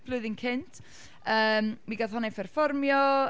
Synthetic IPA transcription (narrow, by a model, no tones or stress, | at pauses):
b̥lˠʊðɪnkʰɪntʰ | əːmwiɡaðɦɔnɛpʰɛrfɔrmjɔ